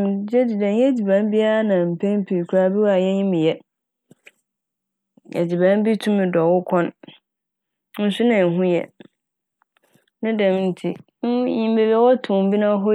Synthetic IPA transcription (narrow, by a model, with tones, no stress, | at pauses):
d͡ʑɛ˦d͡ʑi˨dɛ̃˨n˦ɛ̃˦d͡ʑi˨bã˨˦n˦bi˦a˦a˦nã˨m̩˨pʰɛ̃˦n˦pʰi˨i˨kʰɾa˦bi˦wa˨jɛ̃˦ɲĩ˦mĩ˨jɛ˨ | ɛ̰˨d͡ʑi˨bã˦n˦bi˦tʰũ˦mĩ˨dɔ˨wʊ˦kʰɔ̃˦n | n̩˦sʊ˦nã˨n̩˨ɦũ˦jɛ̰˨ | nã˦dɛ̃˨m˦n̩˦tʰi˦ | jĩ˨m˦be˨bɛ˦wɔ˦tʰʊ̃˨m˦bi˦nã˦ɦɔ˦